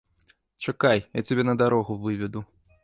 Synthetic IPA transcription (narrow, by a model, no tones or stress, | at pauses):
t͡ʂakajja̰t͡sʲabʲɛnɐd̪aɾɔɣuvɨvʲɛd̪u